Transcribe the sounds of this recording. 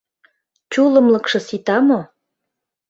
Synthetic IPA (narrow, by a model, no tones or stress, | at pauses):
t͡ɕulə̆mlə̆kʃɤ̆sit̪ɑmo